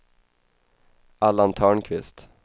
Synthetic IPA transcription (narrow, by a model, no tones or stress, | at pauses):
ʔalːant̪ʰœːɳkʰvɪst̪